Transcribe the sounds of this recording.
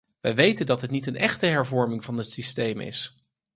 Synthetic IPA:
ʋɛjʋejtəndɑtɦətnitənɛχtəɦɛɹvɔɹmɪŋvɑnətsistejmɪ̰s

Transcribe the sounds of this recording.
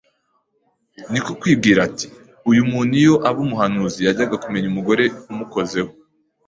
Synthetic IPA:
nikokwiːb̚ɡiːɾati̥ | ujumuːn̥ujo̞ʔaβumuɦanuːzijaɟaɡakume̞ɲumuɡo̞ɾe̞umuko̞ze̞ho

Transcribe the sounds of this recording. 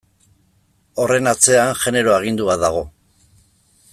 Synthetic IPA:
o̞re̞nat͡se̞anʝe̞ne̞ɾo̞aɣ̞ind̪uβaðaɣ̞o̞

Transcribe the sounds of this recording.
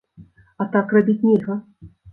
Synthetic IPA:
at̪akrabʲit͡sʲnʲɛɣɐ

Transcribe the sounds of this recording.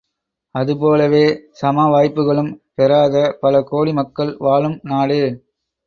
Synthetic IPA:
ɐðɯp̬oːlɐʋeːsɐmaːʋaːjpːɯɣɐɭɯmpɛɾaːðɐpɐlɐkoːlimɐkːɐɭʋaːɭɯmnaːɽɯ

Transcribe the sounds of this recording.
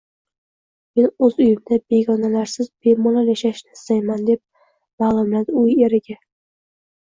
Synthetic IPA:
me̞nɵzʊjɪmd̪abe̞ɡɒnalaɾsɪzbemɒlaljaʃaʃnɪst̪ajmand̪e̞p̚ | maːlˠʊmlad̪ʊje̞ɾɪɡʲa

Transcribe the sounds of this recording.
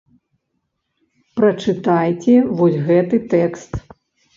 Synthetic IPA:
pɾɐt͡ʂɨt̪ajt͡sʲɛvɔsʲɣɛt̪ɨt̪ɛkst̪

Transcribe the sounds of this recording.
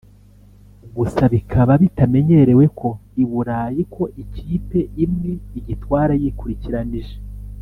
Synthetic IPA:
ɡusaβikʰaβaβitame̞ɲe̞ɾe̞we̞kʰo̞iβuɾajikʰo̞ʔiciːpe̞imŋe̞iɟitwaːɾajikuɾiciɾaniʒe

